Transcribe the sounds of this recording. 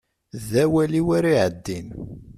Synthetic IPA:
ðæwæliwaɾiʕəd̪ːin

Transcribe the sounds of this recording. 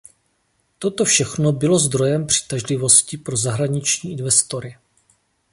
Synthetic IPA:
t̪o̞t̪o̞fʃɛxno̞bɪlo̞zd̪ɾo̞jɛmpr̝̥ɪ̥t̪aʒlɪvo̞scɪpɾo̞zaɦɾaɲɪt͡ʃɲiːʔɪnvɛst̪o̞ɾɪ

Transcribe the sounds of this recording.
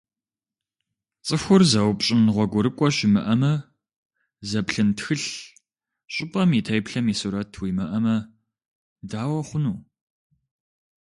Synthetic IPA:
t͡sʼɨxʷʊrzɐwpɕʼɪnʁʷɔɡʷʊɾɨkʷʼɔɕɪmɨ̰ʔɐmɐ | zɐpɬɨntxɨɬ | ɕʼɪpʼɐmiːtʰɐjpɬɐmiːsuɾɐtʰwiːmɐʔɐmɐ | daːwɐχʷʊnuː

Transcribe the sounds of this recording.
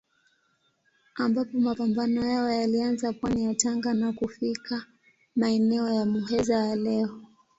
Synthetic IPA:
ambapɔmapambanɔjaɔjalianzapwanijataŋɡanakufikʰa | maɛnɛɔjamuɦɛzajalɛɔ

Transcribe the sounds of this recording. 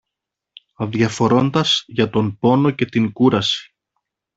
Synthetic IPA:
ɐðʝɐfo̞ɾo̞nd̪ɐz̥ʝɐt̪o̞mpo̞no̞ce̞t̪iŋɡuɾɐsi̥

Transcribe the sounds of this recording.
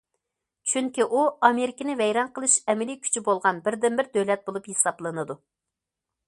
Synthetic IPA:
t͡ʃʰyŋkʲiʔuɑmeɾɪkʲinɪvɛjɾɑnqəlˠɨʃɛmɪlikʲʰy̥t͡ʃʰybolˠʁɑnbɪɾd̪ɪnbɪɾd̪ølɛt̪̚bolˠupjesɑblˠɨnɨd̪u

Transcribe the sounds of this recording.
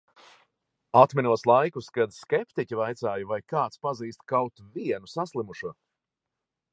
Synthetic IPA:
at̪minuɔslˠajkuskad̪skʲɛpt̪icʲivajt̪saːjvajkaːt̪spaziːst̪̚kawt̪viɛnusaslˠimuʃuɔ

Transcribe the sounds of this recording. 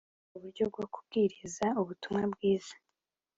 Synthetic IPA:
uβuɾɟo̞b̚ɡo̞ku̥b̚ɡiɾizauβutumŋabɡiːz̥ḁ

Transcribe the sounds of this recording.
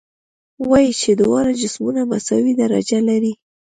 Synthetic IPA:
wɑjit͡ʃed̪ʊwɑɾad͡ʒɪsmunamasawid̪aɾa̰d͡ʒalaɾi

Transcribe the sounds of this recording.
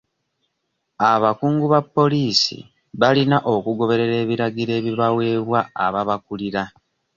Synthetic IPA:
aβakuːŋɡuβapːo̞liːsḭ | βalinaʔo̞kuɡo̞βe̞ɾe̞ɾe̞ːβiɾaɡiɾe̞ːβiβawe̞ːβwaa̰βaβakuliɾa

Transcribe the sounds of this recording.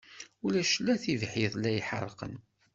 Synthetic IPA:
ulæʃlːæθivħiðˤlæjħə̰rˤːqə̰n

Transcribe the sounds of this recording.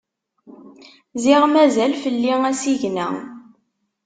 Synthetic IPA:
zɪʁmæzælfəlːiŋæsiʝnæ̰

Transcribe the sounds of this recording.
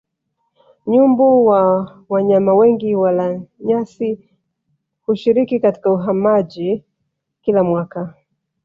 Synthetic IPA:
ɲumbuwa | waɲamawɛŋɡiwalaɲasi | huʃiɾikikati̥kauɦamaʄi | kilamwaka

